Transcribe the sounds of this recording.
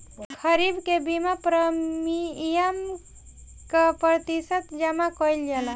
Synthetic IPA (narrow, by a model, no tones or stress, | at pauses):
kʰəɾibkebimapɾəmijəm | kapɾət̪isət̪d͡ʒamakɔjld͡ʒala